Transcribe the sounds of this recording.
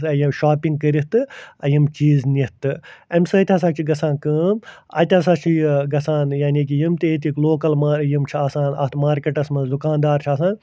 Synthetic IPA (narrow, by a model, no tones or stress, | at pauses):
ɐjimʃaːpʲiŋɡ̚kɐɾit̪ɨɐjimt͡ʃiːzniht̪ɨɐmsɨt̪ʲɐs̬aːt͡ʃʰiɡɐsãːnkɨːmɐ̰t̪ʲas̬aːt͡ʃʰiɡɐsaːnjaːnʲiːk̬ijimt̪iet̪ikloːkɐlmaːjimt͡ʃʰiasãːnɐ̰t̪ʰmaːɾkʲeʈɐsmɐzukaːnd̪aːɾt͡ʃʰiaːsaːn